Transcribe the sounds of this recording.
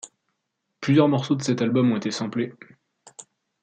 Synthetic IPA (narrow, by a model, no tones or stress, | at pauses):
plyzjœʁmɔʁsod̪əsɛt̪albɔmɔ̃et̪esɑ̃ble